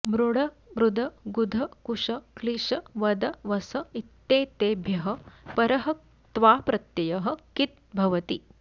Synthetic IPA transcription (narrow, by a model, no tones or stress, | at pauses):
mɾuɽɐ | mɾud̪ʱɐɡud̪ʱɐkuʂɐkliʂɐʋɐd̪ɐʋɐsɐit̪ːeːt̪eːbʱjɐɦɐ̆pɐɾɐɦɐ | t̪ʋaːpɾɐt̪jɐjɐɦɐ̆kit̪̚bʱɐʋɐt̪i